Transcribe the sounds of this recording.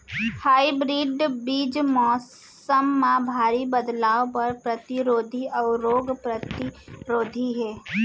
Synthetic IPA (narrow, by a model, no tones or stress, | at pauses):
haːibɾiːɖbiːd͡ʒmɔːs | əmːãbʱaːɾibəd̪laːʋpɐɾpɾɐt̪iɾoːd̪ʱiʔɔːɾoːɡpɾət̪iɾoːd̪ʱiɦɛː